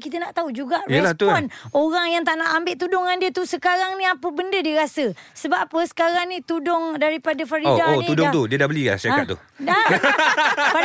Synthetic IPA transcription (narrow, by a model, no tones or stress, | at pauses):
kit̪ənaʔt̪aud͡ʒuɡaʔəlat̪uɔnoɾaŋjaŋt̪aʔnaʔambɪʔt̪udʊŋandiət̪usəkaɾaŋnĩapəbəndədiəɾasəsəbapəsə̥kaɾaŋnĩt̪udʊŋdaɾipadafaɾiodaotnudʊŋt̪udiədabəlia̰sakat̪̚ṵ | da | fa